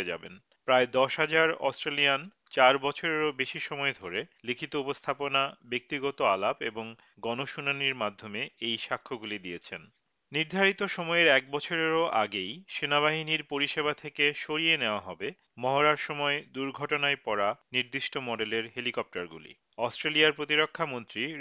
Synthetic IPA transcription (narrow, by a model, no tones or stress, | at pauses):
d͡ʑa̰bḛn | pɾaed̪ɔʃɦad͡ʑaɾɔ̰sʈɾelijan | t͡ɕaɾbɔt͡ɕʰoɾeɾobeʃiʃɔmɔed̪ʱoɾelikʰit̪oupost̪ʰaponabek̚t̪iɡɔt̪oalapeboŋ | ɡɔnoʃunaniɾmad̪ʱːomeejʃakʰːoɡulid̪ijet͡ɕʰen | niɾd̪ʱaɾit̪oʃɔmɔeɾɛk̚bɔt͡ɕʰoɾeɾoʔaɡejʃenaβaɦiniɾpoɾiʃeβat̪ʰekeʃoɾieneoaɦɔbe | mɔɦoɾaɾʃɔmɔed̪uɾɡʱɔʈonaepɔɾaniɾd̪iʃʈomɔɖeleɾɦelikɔp̚ʈaɾɡṵlḭ | ɔsʈɾelijaɾpɾot̪iɾokʰːamont̪ɾi